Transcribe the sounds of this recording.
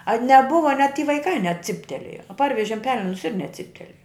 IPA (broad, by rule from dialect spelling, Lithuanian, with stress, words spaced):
ɐ nʲɛˈbʊʋɐ nʲɛt tʲiː ʋɐɪˈkɐɪ nʲɛˈt͡sʲɪpʲtʲɛlʲeːjɛ ˈpɐrʲʋʲɛʒʲɪm ˈpʲæːlʲɛnʊs ɪr nʲɛˈt͡sʲɪpʲtʲɛlʲeːjɛ